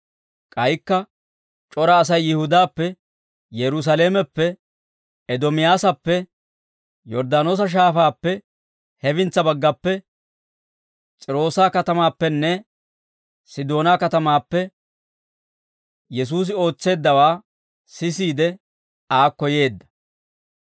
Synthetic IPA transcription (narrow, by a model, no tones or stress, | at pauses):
kʼɐjkːɐ | t͡ʃʼɔɾɐːs̬ɐjːɪhʊd̪aːpːɛ | jɛɾʊs̬ɐle̞ːmɛpːɛ | ɛd̪ɔmɪjaːsɐpːɛ | jɔɾd̪aːno̞ːs̬ɐʃ̬aːfaːpːɛ | hɛbɪnt͡sːɐbɐɡːɐpːɛ | t͡sʼɪɾo̞ːsaːkɐt̪ɐmaːpːɛnːɛ | sɪd̪o̞ːnaːkɐt̪ɐmaːpːɛ | jɛs̬uːs̬ɪo̞ːt͡sːe̞ːd̪ːɐwaː | sɪsiːd̪ɛ | aːkːɔje̞ːd̪ːɐ̥